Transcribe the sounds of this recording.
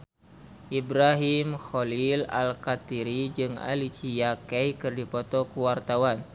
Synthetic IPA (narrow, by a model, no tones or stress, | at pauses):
ʔibɾaɦimxolila̰lkat̪iɾid͡ʒɨŋa̰lit͡ʃijakɛjkɨrdipɔt̪ɔkuwart̪awan